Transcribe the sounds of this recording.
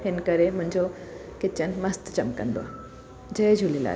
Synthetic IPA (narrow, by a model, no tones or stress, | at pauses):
hɪnkəɾemʊ̃ɪ̃ɲd͡ʑokɪt͡ɕənmɐst̪t͡ɕɐmkə̰̃nd̪o̰a̰ | d͡ʑəed͡ʑʱulila̰ː